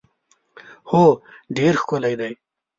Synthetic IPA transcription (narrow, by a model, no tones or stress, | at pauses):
hoːɖeːɾxkolajd̪aj